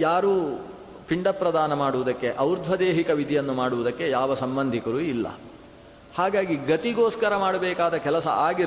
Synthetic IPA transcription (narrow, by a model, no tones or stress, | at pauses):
jaːɾuː | piɳɖɐpːɾɐd̪aːnɐmaːɽuʋud̪ɐkːe̞ʔɐwɾd̪ʱʋɐd̪eːɦikɐʋid̪ʱijɐnːumaːɽuʋud̪ɐkːe̞jaːʋɐsɐmbɐnd̪ʱikɐɾuːilːɐ̰ | haːɡaːɡiɡɐt̪iɡoːskɐɾɐmaːɽɐbɛːkaːd̪ɐkɛlɐsɐ̰ʔaːɡiɾ